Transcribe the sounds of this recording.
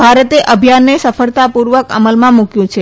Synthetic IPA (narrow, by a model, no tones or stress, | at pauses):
bʱaɾət̪eʔəbʱijanːesəfəɭt̪apuɾʋəkə̰məlmãmukjũt͡ʃʰe